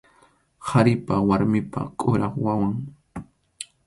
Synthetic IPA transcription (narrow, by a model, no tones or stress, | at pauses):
haɾɪpawaɾmɪpa̰kʼʊɾʔɑχwawaŋ